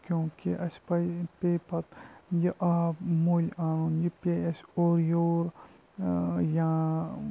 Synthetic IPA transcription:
kʲjõːkiʔɐspɐjpeːpɐt̪jiʔaːbmoːlʲaːnuːnjipeɐsoːɾjoːɾ | jãː

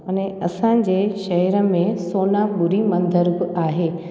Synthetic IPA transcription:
ʊnẽɐsãd͡ʑeːʃɐɦɛɾə̆mẽsoːnabʊɾimɐ̃nd̪ʱəɾbɪaːɦeː

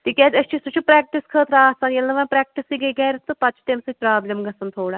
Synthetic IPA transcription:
t̪ikʲad͡ʒʲɐst͡ʃʰisut͡ʃʰupɾɛːk̚ʈiskʰəːt̪ɾaːsaːnjɐlnɐʋanpɾɛːk̚ʈisiɡɐɡaːɾit̪ːɨpɐt͡ʃʰt̪emsɨpɾaːblʲɐmɡɐsɐnt̪ʰoːɽa

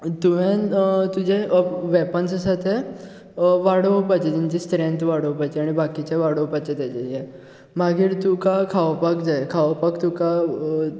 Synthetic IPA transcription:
t̪uʋent̪ud͡ʑeʋɛpənssat̪ʰe | ʋaɽəpat͡ɕet̪iɲt͡ɕist̪ɾẽnt̪ʋaɽəwpat͡ɕeaɽ̃ibakit͡ɕeʋaɽəwpat͡ɕet̪at͡ɕeje | maɡiːɾt̪ukakʰaʋpakd͡zajkʰaʋapakt̪uka

